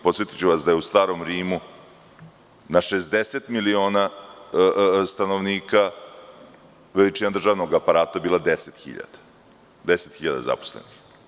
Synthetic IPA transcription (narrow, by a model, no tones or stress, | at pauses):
po̞t̪sje̞t̪it͡ɕuʋasd̪ajeust̪aːɾo̞mɾiːmu | naʃezd̪eset̪milio̞ːna | st̪ano̞ʋniːka | ʋelit͡ʃinad̪ɾr̩ʒaːʋno̞ɡapaɾaːt̪abiːlad̪eset̪xḭʎa̰d̪̥ḁ | d̪e̞set̪xiʎad̪a̰za̰po̥slḛnix